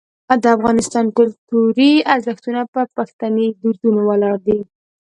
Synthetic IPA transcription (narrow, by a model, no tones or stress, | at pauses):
d̪əafɣɑnɪst̪ɑnkʊlt̪uɾiaɾzəxt̪unapəpaxt̪aned̪uɾd̪unowəlɑɾd̪i